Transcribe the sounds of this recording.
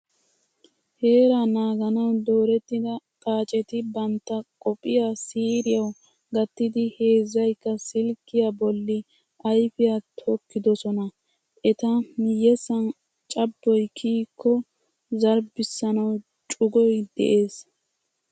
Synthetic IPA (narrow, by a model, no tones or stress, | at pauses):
he̞ːɾanaːɡɐnɐwd̪oːɾɛt̪ːɪd̪ɐkʼaːt͡ʃʼɛt̪ɪbɐnt̪ːɐkʼɔpʼːɪjasiːɾɪjɐw | ɡɐt̪ːɪd̪ɪhe̞ːzːɐjkːɐsɪlkːɪjabɔlːɪ | ʔɐjfɪjat̪ʰɔkːɪd̪ɔsɔnɐ | ʔɛt̪ɐmɪjːɛsɐn | t͡ʃʼɐbːɔjkʰiːkʰːɔ | zɐɾbɪsːɐnɐw | t͡ʃʼʊɡɔjd̪ɛ̰ʔe̞ːs